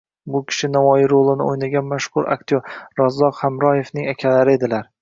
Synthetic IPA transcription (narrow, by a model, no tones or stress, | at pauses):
bʊkʲʰɪ̥ʃɪnavɒjɪɾolˠɪnɪ̰ojnaɡʲanmaʃχʊɾa̰k̚t̪ʰoɾɾɒzːɒqhamɾɒje̞fnɪŋakʲʰalaɾɪe̞d̪ɪlaɾ